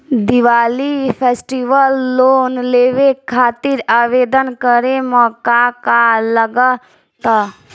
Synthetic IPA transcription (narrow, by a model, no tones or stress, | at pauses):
d̪iʋaːlipʰeːsʈiʋəlːoːnleːʋekʰaːt̪iɾaːʋed̪ənkəɾemɔːkakaləɡə | t̪ə